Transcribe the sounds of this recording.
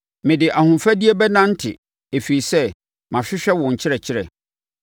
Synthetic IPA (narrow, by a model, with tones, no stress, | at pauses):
mɪ̃˨dɪ˨ʔa˨hʊ̃˨mfæ˦di˦e˦bɛ˦nã˦n̩˦tʰɪ̰˨ | e˨fi˨i˨sɛ˦ | mã˨ɕᶣɪ˦ɕᶣɛ˦wɔ̃˨ɲ̩˨t͡ɕʰɪ˦ɾɛ˨t͡ɕʰɪ˦ɾɛ̰˨